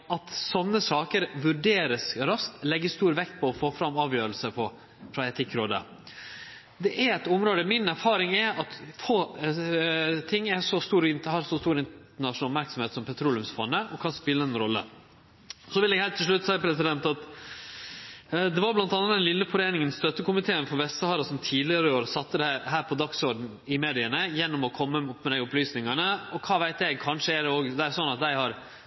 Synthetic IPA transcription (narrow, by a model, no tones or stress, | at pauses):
ɑt̪sɔnːəsɑːkəɾʋʉɖeːɾəsɾɑskt̪lɛɡːəst̪uːɾʋɛkt̪̚pʰɔɔfoːfɾɑmːɑːʋjøːɾəlsəpʰɔ | fɾɑɛt̪ʰɪkːɾoːd̪ə̰ | d̪ɛʔæɾɛt̪ɔmɾoːd̪əmɪnæɾfɑːɾɪŋɛɾɑt̪foː | t̪ʰɪŋːæʂɔst̪uːɾɪnhɑɾsɔst̪uːɾɪn | əɳɑʂnɑːɔp̚mæɾksɔmheːt̪sɔmpʰɛt̪ʰɾuːlʉmsfɔnːəʔɔkʰɑnspɪlːəɛnɾɔlːə̰ | sɔʋɪlɛːɡhæːlt̪ʰːɪʂɭʉt̪ːsɛɪəpʰɾɛsɪd̪ɛnt̪ɑt̪ | d̪ɛʋɑɾblɑnt̪ɑnəɑt̪d̪ɛnlɪlːəfɔɾeːnɪŋənsst̪œt̪ːəkʊmɪt̪ʰeːənfɔɾʋɛst̪əhɑːɾɑsɔmt̪ʰiːd̪lɪɑɾɪoːɾsɑt̪ːəd̪æɦæːɾpʰɔd̪ɑksɔɾɖn̩ | ɪmeːd̪ɪənəjɛnːɔmɔkʰɔmːəʊpːmɛd̪æɪʊplyːsnɪŋɑnəɔkʰɑːʋæɪt̪æɡkʰɑnʂəɛd̪ɛoːɡd̪ɛæɾsɔnːɑt̪̚d̪æɪhɑɾ